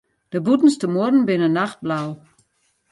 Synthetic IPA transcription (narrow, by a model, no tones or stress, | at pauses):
d̥əbutn̩stəmodn̩bɪnənːaxt̚blaw